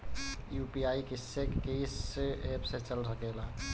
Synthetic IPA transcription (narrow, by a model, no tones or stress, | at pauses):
juːpiaːikesekkeːseːpset͡ʃəlsəkela